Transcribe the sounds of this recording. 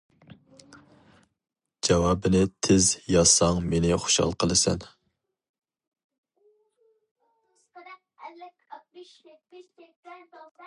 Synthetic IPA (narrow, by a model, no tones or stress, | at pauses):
d͡ʒɛwɑbɪnɪt̪ʰɪzjɑsɑŋmenɪχo̥ʃhɑ̰lˠqʰəlˠɨsɛ̰n | lɪkʲ